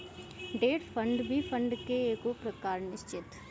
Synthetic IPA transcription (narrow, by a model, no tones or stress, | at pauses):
ɖeːʈpʰə̃ɳɖbʱipʰə̃ɳɖkeeːkopɾɐkaːɾnɪʃt͡ʃɪt̪